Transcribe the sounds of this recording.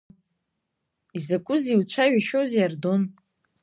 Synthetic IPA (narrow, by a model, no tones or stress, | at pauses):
izakʷʼʊziwt͡ɕʷʰaɥaʃowzjardon